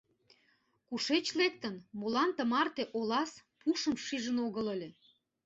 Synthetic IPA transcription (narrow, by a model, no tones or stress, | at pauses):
kuʃet͡ɕlek̚t̪ənmolɑnt̪əmɑrt̪eʔolɑspʰuʃəmʃiʒənoɣələlʲe